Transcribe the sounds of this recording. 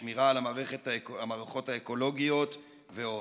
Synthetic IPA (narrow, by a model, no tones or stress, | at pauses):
miʁalamaːʁeχetaamaːʁeχo̞t̪haeko̞lo̞ɡijo̞t̪ | veo